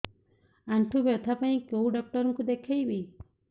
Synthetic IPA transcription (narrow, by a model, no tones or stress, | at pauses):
aɳʈʰubɔt̪ʰapaĩkowɖɔk̚ʈɔɾɔŋkud̪ekʰejbi